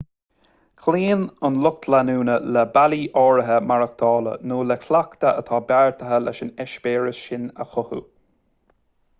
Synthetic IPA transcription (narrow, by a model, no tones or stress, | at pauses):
kʰliːnʊnlʊk̚t̪ʰlanuːnəlɛbaliːʔɔːɹəɦəmaɹək̚t̪ʰɑːlə̰noːlɛkʰlakt̪əʔət̪ʰɑːbaɹt̪ʰəɦəlɛ̰ʃɪnɛʃbeːɹəsʃɪnə̰xʊhṵ